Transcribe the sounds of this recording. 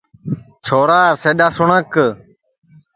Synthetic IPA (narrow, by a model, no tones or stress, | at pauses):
t͡ʃʰoːɾaːseːɗaːsʊɳək